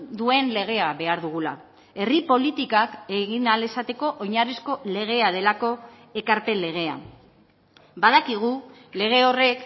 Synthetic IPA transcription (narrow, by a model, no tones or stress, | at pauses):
d̪ue̞nle̞ɣ̞e̞aβe̞aɾðuɣula̰ | e̞ripo̞lit̪ikake̞ɣinale̞sat̪e̞ko̞ʔoɲarisko̞le̞ɣ̞e̞aðe̞lako̞ | e̞kaɾpe̞le̞ɣ̞e̞a̰ | baðakiɣ̞ule̞ɣ̞e̞o̞re̞k